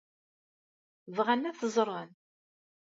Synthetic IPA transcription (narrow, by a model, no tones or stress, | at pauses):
vʁænːæθəzˤɾˤɑn